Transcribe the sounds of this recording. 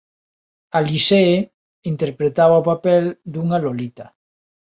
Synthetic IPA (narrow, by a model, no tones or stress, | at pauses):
alise | int̪eɾpɾet̪aβaopapeld̪uŋalolit̪a